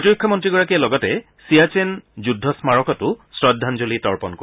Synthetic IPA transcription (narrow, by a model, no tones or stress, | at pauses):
potiɹukʰːɔmɔntɹiɡɔɹakiɛlɔɡɔtɛ | siat͡ʃenzudʱːɔsmaɹɔkɔtʊsɹɔdʱːanzolitɔɹpɔnko